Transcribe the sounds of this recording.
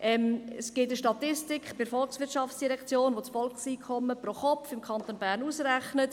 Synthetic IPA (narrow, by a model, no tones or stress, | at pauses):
ʔɛmɛsɡ̥ɪtəʃtɑtɪstɪkχb̥ɪɾfɔlksʋɪtt͡ʃɑft͡ssd̥iɾɛkt͡sjoːnʋot͡sfɔlksiːkʰɔmːəpɾoχɔpfɪmkʰɑntoːnbæːɾnuːsræχnət